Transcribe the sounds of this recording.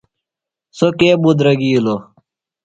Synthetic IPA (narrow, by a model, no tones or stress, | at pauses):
sokeːbud̪ɾɐɡiːlo